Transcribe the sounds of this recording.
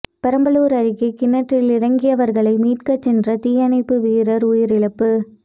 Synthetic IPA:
pɛɾɐmbɐluːɾɐɾɪkːɯkɪnːɐʈːɪlɪɾɐŋɡɪjɐʋɐɾɣɐɭɐɪmiːʈkɐt͡ʃːɛndrɐt̪ɪjɐnɐɪpːɯʋiːɾɐɾʊjɪɾɪɭɐpːɯ

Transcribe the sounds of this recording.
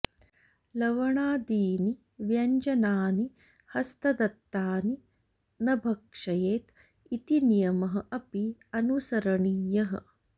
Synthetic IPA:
lɐʋɐɳaːd̪iːni | ʋjɐɲd͡ʒɐnaːni | hɐst̪ɐd̪ɐt̪ːaːni | nɐbʱɐkʂɐjeːt̪ | it̪inijɐmɐɦɐ̆ʔɐpiɐnusɐɾɐɳiːjɐɦɐ̰̆

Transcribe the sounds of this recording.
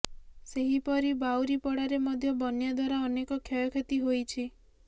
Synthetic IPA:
seɦipɔɾibawɾipɔɽaɾemɔd̪ʱjɔbɔnjad̪waɾaɔnekɔkʰjɔjɔkʰet̪iɦojt͡ʃʰi

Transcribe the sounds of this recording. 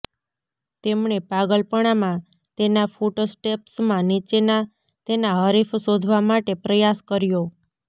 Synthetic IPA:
t̪emɳepaɡəlpəɽ̃amã | t̪enafuʈosʈepsmãnit͡ʃena | t̪enaɦəɾifsod̪ʱʋamaʈepɾəjaskəɾjo

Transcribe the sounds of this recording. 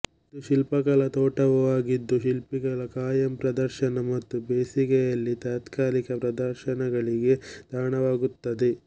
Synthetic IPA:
ɐt̪ːuʃilpɐkɐlɐt̪ɔːʈɐʋɐʋaːɡid̪ːuʃilpiɡɐlɐkaːjɐmpɾɐd̪ɐɾʃɐnɐmɐt̪ːubeːsikɛjɐlːit̪aːt̪kaːɾikɐpɾɐd̪ɐɾʃɐnɐɡɐɭiɡe̞d̪̥ʱaːɳɐʋaːɡut̪ːɐd̪e

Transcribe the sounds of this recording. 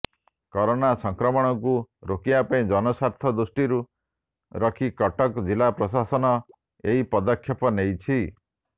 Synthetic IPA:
kɔɾonasɔŋkɾɔmɔɽ̃ɔkuɾokiapaĩd͡ʒɔnɔsaɾt̪ʰɔd̪usʈiɾu | ɾɔkʰikɔʈɔkd͡ʒilapɾɔsasɔnɔ | eɦipɔd̪ɔkʰːjɔpɔnejt͡ʃʰi

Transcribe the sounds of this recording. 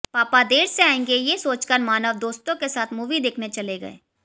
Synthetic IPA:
paːpad̪eːɾseaːẽːŋɡejesoːt͡ʃkəɾmaːnəʋd̪oːst̪õkesaːt̪ʰmuːʋid̪eːkʰnet͡ʃɐleɡɐ̰ḛː

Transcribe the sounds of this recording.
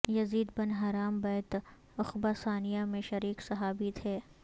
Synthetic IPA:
jɐziːd̪bɐnɦaːɾaːmbɛːt̪ | ɐxbasaːnijamẽʃɐɾiːksɐɦaːbit̪ʰɛː

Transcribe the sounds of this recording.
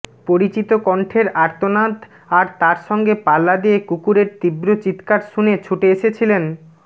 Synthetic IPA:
poɾit͡ɕit̪okɔɳʈʰeɾaɾt̪onat̪ | aɾt̪aɾʃɔŋɡepalːad̪iekukuɾeɾt̪ibɾot͡ɕit̪kaɾʃunet͡ɕʰuʈeeʃet͡ɕʰilen

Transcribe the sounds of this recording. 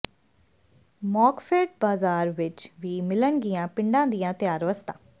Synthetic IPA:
mɔːkfʰeːʈ̚baːzaːɾʋɪt͡ʃʋiːmɪləɳɡijãːpɪ̃ɳɖãːd̪ijãːt̪ɪjaːɾʋəst̪ã̰ː

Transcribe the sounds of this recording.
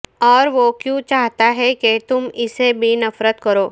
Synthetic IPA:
ɔːɾʋokjũt͡ʃaːɦt̪aɦɛket̪ʊmɪsebʱinɐfɾət̪kɐɾoː

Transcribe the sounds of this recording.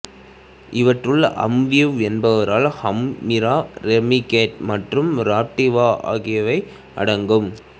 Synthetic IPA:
ʔɪʋɐʈrɯɭʔɐ̰mʋɪjɯʋɛnbɐʋɐɾaːlhɐmːɪɾaːɾɛmɪkeːʈmɐʈrɯmɾaːp̚ʈːɪʋaːʔa̰ːɣɪjɐʋɐɪ | ɐ̰ɽɐŋɡɯm

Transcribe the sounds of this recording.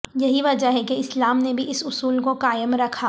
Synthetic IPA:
jɐɦiʋɐd͡ʒaɦɛkeɪslaːmnebʱiʔɪsʊsuːlkokaːjəmɾɐkʰaː

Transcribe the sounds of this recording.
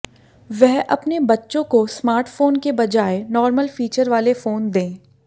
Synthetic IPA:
ʋɛɦʔɐpnebɐtːʃõkosmaːɾʈfoːnkebɐd͡ʒaːenɔːɾməlfiːt͡ʃəɾʋaːlefoːnd̪ẽː

